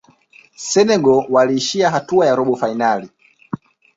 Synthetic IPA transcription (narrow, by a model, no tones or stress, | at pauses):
sɛnɛɡɔwaliːʃiaɦatuajaɾɔɓɔfainali